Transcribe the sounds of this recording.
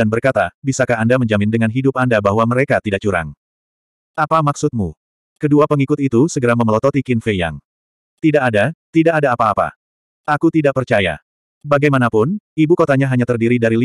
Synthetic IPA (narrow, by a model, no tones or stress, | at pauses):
anbərkat̪abisakaːndaməɲd͡ʒamɪndəŋanɦidʊpandabaɦwaməɾekat̪idaʔ̚t͡ʃuɾa̰ŋ | ʔapamaksʊt̪̚mu | kəduapəŋikʊt̪it̪usəɡəɾaməməlɔt̪ɔt̪ikinfeja̰ŋ | t̪idaʔːdat̪idaʔadaːpaːpa̰ | ʔakut̪idaʔ̚pərt͡ʃaja̰ | baɡajmanapʊnibukot̪aɲaɦaɲat̪ərdiɾidaɾili